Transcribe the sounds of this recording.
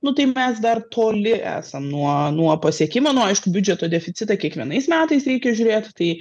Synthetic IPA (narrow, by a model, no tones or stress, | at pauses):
nʊt̪ɐɪmʲɛsd̪ɐrt̪ʰoːlʲɪʔæ̰ːsɐmnuɔnuɔpɐsʲiɛkʲɪmɐnʊɐɪʃkʊbʲʊd͡ʒʲɛt̪oːd̪ʲɛfʲɪsʲɪt̪ɐkʲiɛkʋʲiɛnɐɪsmʲæːt̪ɐɪsɾʲɛɪkʲɛʒʲʊːɾʲeːt̪t̪ɐɪ